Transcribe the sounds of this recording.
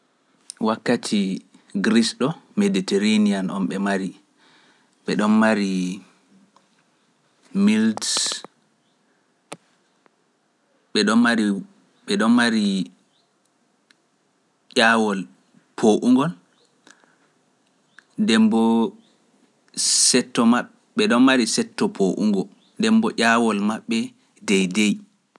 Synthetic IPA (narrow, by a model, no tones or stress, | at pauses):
wakːatʰi | ɡɾisɗɔmeditɛɾanianʔɔ̰mɓɛmaɾi | ɓɛɗɔnmaɾi | mild | ɓɛɗɔnmaɾi | ɓɛɗɔnmaɾi | ʔawɔl | pʰoʔuŋɡɔl | dɛmbɔ | sɛtːɔma | ɓɛɗɔnmaɾisɛtːɔpʰoʔṵŋɡɔ | dɛmbɔʔʲawɔlmaɓːɛ | dɛjdɛj